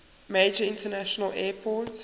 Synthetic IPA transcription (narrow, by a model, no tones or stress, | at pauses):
meːd͡ʒəɪ̃ntənæʃənəlɛːpʰɔt